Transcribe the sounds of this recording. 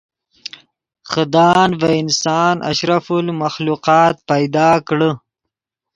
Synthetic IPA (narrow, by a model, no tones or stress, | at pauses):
xəd̪ɑːnvaɪnsɑːnʔa̰ʃɾafulmaxluqɑːt̪̚pajd̪ɑːkɽə